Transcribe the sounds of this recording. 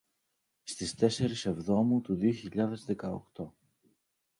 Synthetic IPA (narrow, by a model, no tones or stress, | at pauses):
st̪ist̪e̞se̞ɾise̞vðo̞mut̪uðio̞çiʎɐðe̞zðe̞kɐo̰kt̪o̞